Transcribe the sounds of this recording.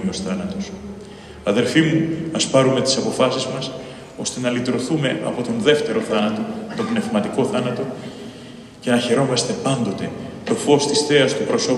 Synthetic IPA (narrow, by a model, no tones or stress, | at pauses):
most̪ɐnɐt̪o̞s | ɐðe̞lfimumɐspɐɾume̞t̪i̥sɐpo̞fɐsizmɐs | o̞st̪e̞nɐlit̪ɾo̞θume̞ʔɐ̰po̞t̪o̞nðe̞ft̪e̞ɾo̞θɐnɐt̪o̞t̪o̞pne̞vmɐt̪iko̞θɐnɐt̪o̞ | ce̞nɐçe̞ɾo̞mɐst̪e̞pɐnd̪o̞t̪e̞t̪o̞fo̞st̪isθe̞ɐst̪opɾo̞so̞